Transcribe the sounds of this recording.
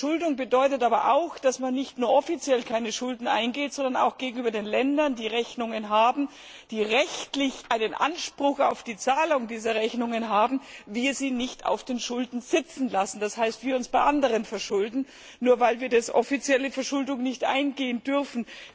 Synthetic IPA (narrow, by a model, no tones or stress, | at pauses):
ʃʊldʊŋbədɔʏtətaːbɐʔaʊxd̥asmanːɪçtnuːɐʔɔfit͡sjɛlkʰaɪnəʃʊldn̩ʔa̰ɪnɡeːtz̥ɔndɐna̰ʊxɡ̥eːɡŋ̩yːbɐdeːnlɛndɐndiːʁɛçnʊŋənɦaːbm̩ | d̥iːʁɛçtlɪçʔaɪnənʔa̰nʃpʁ̥ʊxa̰ʊfd̥iːt͡saːlʊŋdiːzɐʁɛçnʊŋənɦaːbm̩viːɐziːnɪçta̰ʊfd̥eːnʃʊldn̩z̥ɪt͡sn̩lasn̩d̥ashaɪstv̥iːɐʊnsb̥aɪʔandəʁ̞ənfɛɐʃʊldn̩ː | uːɐvaɪlviːɐdasʔɔfit͡sjɛləfɛɐʃʊldʊŋnɪçtʔa̰ɪnɡeːəndʏʁfn̩